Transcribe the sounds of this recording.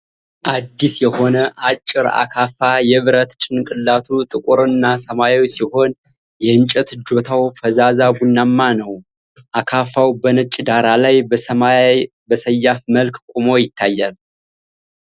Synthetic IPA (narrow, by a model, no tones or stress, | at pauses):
ʔad̪ːisjɛho̞nəʔat͡ʃʼːɪɾa̰kʰafajɛβɨɾət̪t͡ʃʼɪnkʼɨlːat̪ʰut̪ʼɨkʼuɾɨnːasəmajawsiho̞n | jɛɨnt͡ʃʼɛt̪d͡ʒo̞t̪ʰawfəzazaɡunːamːanəw | ʔakʰafawbənɨt͡ʃʼɪd̪aɾalajbəsəma | bəsəjːafməlkkʷʼumo̞jɪt̪ʰːajːal